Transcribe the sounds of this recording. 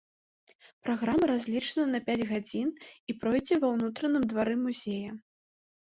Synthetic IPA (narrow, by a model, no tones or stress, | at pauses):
pɾaɣɾamɐɾazʲlʲit͡ʂnɐnɐpʲad͡zʲɣad͡zʲinipɾɔjd͡zʲɛvɐwnut̪ɾɐnɨmd̪vaɾɨmuzʲejɐ